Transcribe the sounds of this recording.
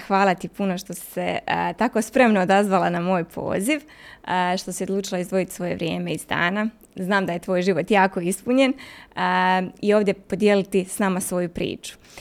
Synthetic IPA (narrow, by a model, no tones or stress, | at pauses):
xʋaːlˠat̪ipuno̞ʃt̪o̞sse̞t̪ako̞spɾe̞mnoːd̪azʋalˠanamo̞ːjpʰo̞̰ːziʋ | ʃt̪o̞siod̪lˠuːt͡ʃilˠaizd̪ʋo̞jit̪i̥sʋo̞je̞ʋɾje̞̰ːme̞izd̪a̰ːna | znaːmd̪aje̞t̪ʋo̞ːjʒiʋo̞t̪jaːko̞ispuɲe̞n | io̞ːʋvd̪je̞po̞d̪jelit̪isnamasʋo̞jupɾḭːt͡ʃu̥